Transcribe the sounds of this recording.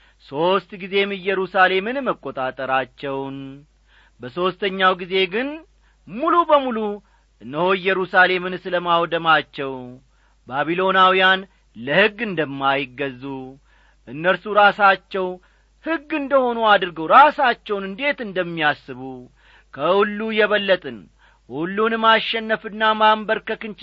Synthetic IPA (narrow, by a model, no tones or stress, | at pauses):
so̞st̪ɡize̞mɨjːɛɾusale̞mɨnməkʼːo̞t̪ʼat̪ʼəɾat͡ʃːɛwn | bəso̞st̪ʰəɲːawɡize̞ɡɨn | mulubəmulu | ʔɨnːəhoɨjːɛɾusale̞mɨnsɨləmawd̪əmat͡ʃːɛw | baβilo̞nawijan | ləhɨɡːɨnd̪əmːajɪɡːəzːu | ʔɨnːəɾsuɾasat͡ʃːɛw | hɨɡːɨnd̪əho̞nuad̪ɨɾɡəwɾasat͡ʃːɛwnɨnd̪e̞t̪ɨnd̪əmːiasːɨβu | kʰəhulːujɛβəlːət̪ʼɨn | ʔulːunmaʃːɛnːəfɨnːamambəɾkəkɨnt͡ʃ